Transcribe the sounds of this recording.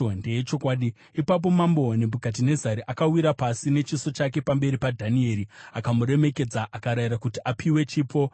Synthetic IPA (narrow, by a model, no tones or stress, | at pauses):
andejet͡ʃo̞kwaːɗi | ipap̬o̞mamboane̞bukat̬ine̞zaɾiʔakawiɾapasine̞t͡ʃiso̞t͡ʃake̞pambe̞ɾipadʱanie̞ɾiakamuɾe̞me̞ke̞d͡zaʔakaɾaiɾakutiʔapʰiwe̞t͡ʃiːpʰo̞